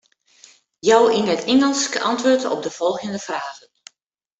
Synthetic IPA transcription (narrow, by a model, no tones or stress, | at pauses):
jɔwinətɪŋəlˠskəʔɑntʋoːɹtɔ̰b̚dəv̥ɔlˠɣəndəfraːɣən